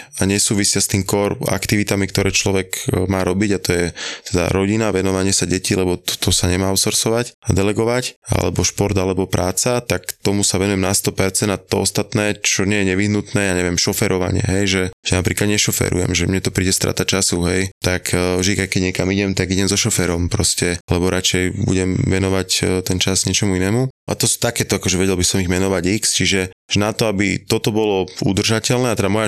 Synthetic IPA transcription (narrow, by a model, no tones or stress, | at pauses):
aɲɛsuːʋisɪast̪iːmkɔɾa̰kt̪iʋit̪amikt̪ɔɾɛːt͡ʃlɔʋɛkmaːɾɔbiɟat̪ɔjɛt̪ɛd̪a̰ɾɔɟinaʋɛnɔʋaɲɪɛsaɟɛcilɛbɔt̪t̪ʰɔsaɲɛmaːɔsɔɾsɔʋacad̪ɛlɛɡɔʋaca̰lɛ̰bɔʃpɔɾd̪alɛbɔpɾaːt͡sat̪akt̪ɔmusaʋɛnujɛmnast̪ɔpɛɾt͡sɛnd̪at̪ɔɔst̪at̪nɛːt͡ʃɔɲɪɛjɛɲɛʋiɦnut̪nɛːjaːɲɛʋɪɛmʃɔfɛɾʔɔʋa̰ɲɪɛ̰ɦɛjʒɛʒɛnapɾiːklad̪ɲɛʃɔfɛ̰ɾṵjɛ̰mʒɛmɲɛt̪ɔpɾiːɟɛst̪ɾa̰ːt̪at͡ʃasuɦɛjt̪akʰvʒd̪ikajkːɛɟɲɛkamiɟɛmt̪aɡiɟɛmzɔʃɔfɛɾɔmpɾɔscɛlɛbɔɾat͡ʃɛjbṵɟɛmʋɛnɔʋact̪ɛnt͡ʃazɡɲɛt͡ʃɔmuinɛːmuʔa̰t̪ɔsu̥t̪akɛːt̪ɔakɔʒɛʋɛɟɛlbisɔmiɣmɛnɔʋaɟikst͡ʃiʒɛʒ̥ɛnat̪ɔabit̪ɔt̪ɔbɔlɔṵd̪r̩ʒacɛlnɛːat̪ɛd̪amɔja